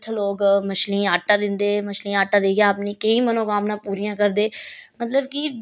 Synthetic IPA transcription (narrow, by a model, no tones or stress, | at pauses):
ʈ̪ʰloːɡməʃlĩːaːʈːãːd̪ɪnd̪eːməʃlĩːaːʈːãːd̪eːɡjaːpnĩːkəĩːmənõːɡaːmnãːpuːɾiːjãːkəɾd̪eːmət̪ləbkɪ